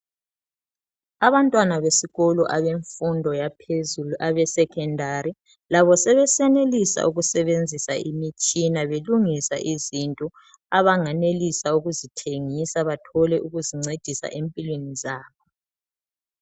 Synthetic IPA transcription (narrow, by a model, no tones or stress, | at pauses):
aβantʼwanaβesiɣɔlɔʔaβeɱfundʱɔjapʰezuluʔaβɛsɛkʰʼɛndʱaɾi | laβɔsɛβɛsɛnelisa̰ʔuɣusɛβend͡zʱisa̰imit͡ʃʼinaβeluŋisa̰ʔizintʼɔ | aβaŋanelisauɣuzitʰeŋisaβatʰɔlɛʔuɣuziŋ͡ǀed̥ʱisa̰ʔempʼilwenizaːβɔ